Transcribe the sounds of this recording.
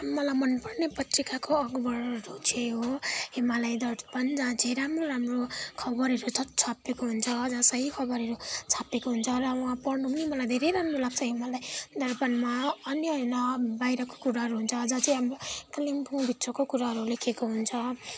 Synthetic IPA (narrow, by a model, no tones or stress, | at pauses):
mʌlajmʌnpʌrnepʌt̪rikakoʌɡbʌrrut͡sʰeɦoɦemalajd̪ʌrpʌnd͡zãt͡sʰẽɾamroɾamrokʰʌbʌɾɦʌɾut͡sʰʌt͡sʰapekoɦunt͡sʰʌʌd͡zãsʌɦikʰʌbʌɾɦʌɾut͡sʰapekoɦunt͡sʰʌrʌwʌ̃ãpʌrnupnimʌlajd̪ʱeɾejɾamrolaɡ̚t͡sʰʌɦemalajd̪ʌrpʌnmaʌnjʌnʌbajɾʌko̥kuɾaɦʌɾuɦunt͡sʰʌːd͡zãt͡sʌiɦamkʌlimpʰũbʱit̪sʰʌkokuɾaɦʌɾulekʰekoɦunt͡sʰʌ